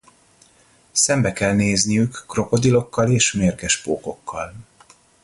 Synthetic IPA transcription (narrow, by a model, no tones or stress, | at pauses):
sɛmbɛkɛlneːznijykːro̞po̞d̪ilo̞kːɒleːʃmeːrɡɛʃpoːko̞kʰːɒ̰l